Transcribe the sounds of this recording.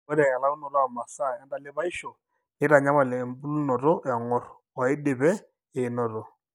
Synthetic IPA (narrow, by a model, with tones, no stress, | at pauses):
ɔ˦ɾɛ˨a˨la˦u˦nɔ˨lɔ˦a˨ma˨sa˦˨a˦nda˨lɪ˦βa˦ɪ˦ʃɔ˨ | ɪ˦ɾa˨ɲa˦ma˨lɛ˨mbu˦lnɔ˨ɾɔ˦ʔɛ˨ŋɔ˦r | wa˨ɪ˦dɪ˨bɛ˦ | e˨nɔ˨ɾɔ˨